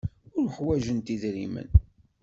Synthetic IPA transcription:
ʊɾħwæʒənt̪iðɾimə̰n

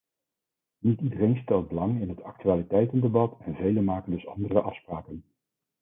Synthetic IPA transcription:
nitidərejnstɛlˠt̚bəlɑŋɪnɦətɑk̚tyaːlitɛjtəndebɑtɛnvejlənmaːkəndɵsɑ̰ndərəʔɑfspraːkən

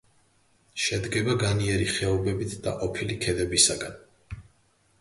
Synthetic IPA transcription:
ʃɛd̪ɡɛbaɡaniɛɾiχɛɔbɛbit̪ʰd̪a̰qʼɔpʰilikʰɛd̪ɛbisaɡan

